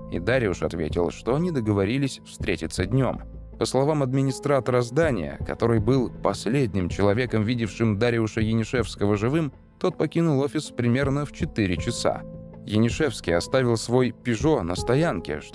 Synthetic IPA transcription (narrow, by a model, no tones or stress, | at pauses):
ḭd̪aɾʲɪʊʂɐt̪vʲetʲɪ̰lˠʂt̪o̞ɐnʲid̪əɡəvɐɾʲilʲɪsʲfst̪ɾʲetʲɪt̪sːəd̪ʲnʲo̞m | pəslˠɐvamɐd̪mʲɪnʲɪst̪ɾat̪əɾəzd̪anʲɪ̰jə̰kɐ̰t̪o̞ɾɨjbɨlˠpɐsʲlʲedʲnʲɪmt͡ɕɪlˠɐvʲe̞kəmvʲidʲɪfʂɨmd̪aɾʲɪʊʂəjɪnʲɪʂɛfskəvəʐɨvɨm | t̪o̞t̪̚pɐkʲinʊlˠofʲɪspɾʲɪmʲe̞rnəft͡ɕɪt̪ɨɾʲɪt͡ɕɪsa̰jɪnʲɪʂɛfskʲɪjɐst̪avʲɪlˠsvo̞jpʲɪʐo̞nəst̪ɐjankʲɪ̰ʂt̪